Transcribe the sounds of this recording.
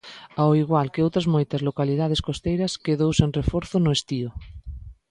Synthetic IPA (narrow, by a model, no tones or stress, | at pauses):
awiɣwalkeowt̪ɾazmojt̪azlokalið̞að̞eskost̪ejɾɐskeðowsenrefoɾθonoest̪io